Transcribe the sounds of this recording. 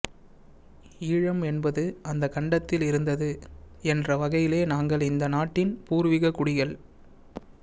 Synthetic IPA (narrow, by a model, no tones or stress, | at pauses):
iːɻɐmɛnbɐðɯɐnd̪ɐkɐɳɖɐt̪ːɪlɪɾɯnd̪ɐðɯ | ɛndrɐʋɐɣɐjɪleːnaːŋɡɐɭɪnd̪ɐnaːʈːɪnpuːɾʋɪɣɐkːʊɽɪɣɐɭ